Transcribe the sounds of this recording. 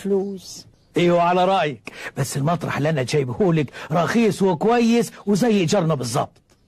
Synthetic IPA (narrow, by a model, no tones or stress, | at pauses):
fluːs | ʔiːwʕalaɾˤɑʔjɪkb̥asːɪlmɑt̪ˤɾˤɑ̰ħlʔanːat̪ʒaːjbhuːlɪkɾˤɑxiːswɪkwajːɪswzajːɪʔd͡ʒɑɾˤnabɨzˤːɑ̰b̚t̪ˤ